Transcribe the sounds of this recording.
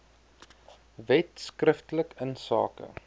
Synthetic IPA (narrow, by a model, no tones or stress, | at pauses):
vɛtskrəftələkənsɑ̰ːkə̰